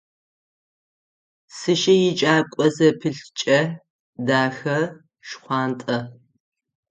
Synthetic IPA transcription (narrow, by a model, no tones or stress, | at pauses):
sɨʃɐjɪt͡ʃʼaːkʷʼɔzɐpʰɨɬt͡ʃʼɐ | daːxɐ | ʃχʷɑːntʼɐ